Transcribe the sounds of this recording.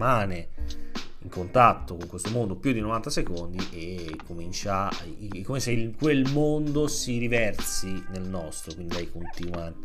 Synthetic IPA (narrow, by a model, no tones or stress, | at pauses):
maːne | iŋkʰont̪at̪ːokoŋkwest̪omond̪opjud̪inovant̪asekond̪iʔekːomint͡ʃakːomeseilkwelmond̪osiɾivɛrt̪sinelnɔst̪ɾokwind̪iɛjkont̪inwa